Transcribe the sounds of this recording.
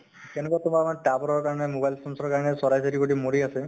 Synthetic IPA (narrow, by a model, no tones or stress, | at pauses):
tɛnɛkwatʊmaɹmaʈabɔɾɔɹkaɹanɛmobajlsɔnsɔɹkaɹanɛsɔɹajseɾikoʈimoɹiasɛ